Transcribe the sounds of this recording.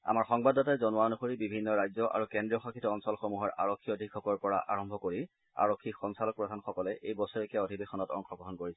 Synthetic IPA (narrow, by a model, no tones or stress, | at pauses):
a̰maɹxɔŋbadɔtajzɔnuwaonuxoɹibibʱinːɔɹajzɔʔa̰ɹukendɹijɔxakʰitɔɔnsɔlxomuɦɔɹʔa̰ɹokʰːiodʱikʰːɔkɔɹpɔɹa̰ʔʔa̰ɹɔmbʱɔkoɹi | a̰ɹokʰːikxɔŋsalɔk̚pɹɔdʱanxɔkɔlɛʔejbɔsɔɹekiaodʱibexɔnɔtɔ̰ŋxɔɡɔɦɔnkoɹisɛ